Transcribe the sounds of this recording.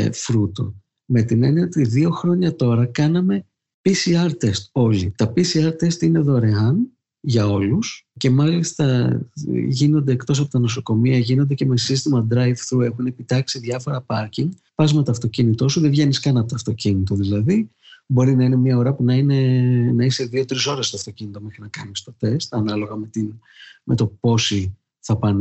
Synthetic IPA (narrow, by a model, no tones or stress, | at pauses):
fɾut̪o̞̰ | me̞t̪ineniot̪iðio̞xɾo̞ɲɐt̪o̞ɾɐkɐnɐme̞ | pisiɐɾt̪e̞st̪o̞ʎit̪ɐpisiɐɾt̪e̞st̪ine̞ðo̞ɾe̞ɐn | ʝɐo̞lusce̞mɐlist̪ɐ | ʝino̞nd̪e̞ːkt̪o̞sɐpo̞t̪ino̞so̞ko̞miɐʝino̞nd̪ece̞me̞sist̪imɐd̪ɾɐjvθue̞xune̞pit̪ɐksiðjɐfo̞ɾɐpɐɾciŋɡ | pɐzme̞t̪oɐft̪o̞cinit̪o̞suðe̞vʝe̞niskɐnɐpot̪oɐft̪o̞cinit̪o̞ðilɐði | bo̞ɾinɐine̞mɲɐoɾɐpunɐine̞nɐise̞ðio̞t̪ɾiso̞ɾe̞st̪oɐft̪o̞cinit̪o̞me̞xɾinɐkɐnist̪o̞t̪e̞st̪ɐnɐlo̞ɣɐme̞t̪in | me̞t̪o̞po̞si | θɐpɐn